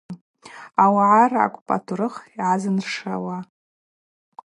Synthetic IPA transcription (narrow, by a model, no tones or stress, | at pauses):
awaʕara̰kʷʼpʼa̰tʰuɾɨχiʕazɨnrʂa̰wa